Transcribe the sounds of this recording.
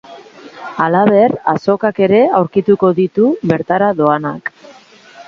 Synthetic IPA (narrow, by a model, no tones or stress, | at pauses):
alaβe̞ra̰so̞kake̞ɾe̞awɾkit̪uko̞ðit̪uβe̞ɾt̪aɾaðo̞anak